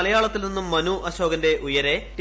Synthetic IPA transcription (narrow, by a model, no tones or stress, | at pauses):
ɐlɐjaːɭɐt̪ːilninːumːɐnuʔɐɕo̞ːɡɐnde̞ʔujɐɾe̞t